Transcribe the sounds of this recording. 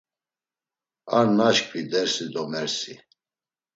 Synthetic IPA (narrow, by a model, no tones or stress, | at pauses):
aɾnaʃkʼvid̪ɛɾsid̪ɔmɛɾsi